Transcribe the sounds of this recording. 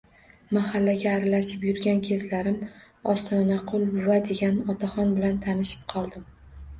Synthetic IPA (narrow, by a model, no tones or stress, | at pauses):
mahalːaɡʲaːɾalaʃɪpjʊɾɡʲankʲʰe̞zlaɾɪm | ɒst̪ɒnaqʰʊlˠbʊvad̪e̞ɡʲanɒt̪ʰaχɒnbɪlant̪ʰanɪʃɪ̥p̚qʰɒlˠd̪ɪm